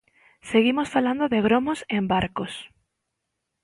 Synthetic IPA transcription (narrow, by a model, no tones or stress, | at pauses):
seɣimosfaland̪oðeɣ̞ɾomosembaɾkos